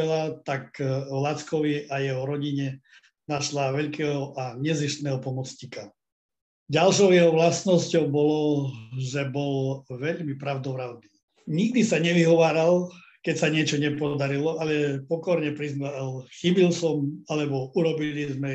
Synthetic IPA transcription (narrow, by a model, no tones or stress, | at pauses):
ɛlat̪aklat͡skɔʋiajɛɦɔɾɔɟiɲɛ | naʃlaʋɛʎkɛːɦɔʔaɲɛziʃt̪nɛːɦɔpɔmɔt͡sɲika | ɟalʃɔʊjɛɦɔʋlasnɔscɔʊbɔlɔʒɛbɔlʋɛʎmipɾaʊd̪ɔʋɾaʊniː | ɲiɡ̚d̪isaɲɛʋiɦɔʋaːɾal | kɛcsaɲɪɛt͡ʃɔɲɛpɔd̪aɾilɔʔalɛpɔkɔɾɲɛpɾiznalxibilsɔmalɛbɔuɾɔbilizmɛ